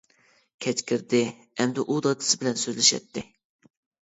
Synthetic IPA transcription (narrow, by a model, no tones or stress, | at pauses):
kʲʰɛt͡ʃkʲʰiɾd̪ɪ | ɛmd̪ɪʔud̪ɑt̪ʰɨ̥sɪbɪlɛnsøzlɪʃɛ̰t̪ʰːɪ